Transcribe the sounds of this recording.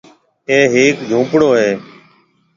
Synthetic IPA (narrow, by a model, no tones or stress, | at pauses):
eːɦeːkd͡ʒʱũːpɽoːɦeː